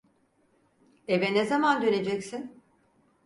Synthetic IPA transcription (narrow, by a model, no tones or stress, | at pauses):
evɛnezamand̪ø̞ne̞d͡ʒɛcsin